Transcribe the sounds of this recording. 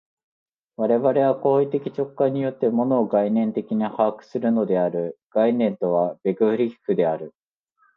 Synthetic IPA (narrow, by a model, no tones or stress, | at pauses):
βaɾe̞βaɾe̞βako̞ːit̪ekʲi̥t͡ɕo̞kːaɲ̟ːijo̞t̪ːe̞mo̞no̞ːɡainẽ̞nt̪e̞kʲiɲ̟ihaːkɯ̟̥sɨɾɯ̟no̞d̪e̞aɾɯ̟ɡ̥ainẽ̞nt̪o̞β̞ab̥e̞ɡɯ̟ɯ̟ɾʲi̥kɯ̟d̪e̞aɾɯ̟